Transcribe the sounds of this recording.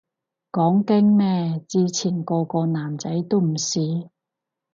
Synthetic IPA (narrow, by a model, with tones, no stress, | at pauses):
kɔː˨˥ŋkɪ˥ŋmɛː˥˧t͡siː˧t͡sʰiː˨˩nkɔː˧kɔː˧naː˨˩mt͡sɐ˨˥jt̪o˥wm̩˨˩siː˨˧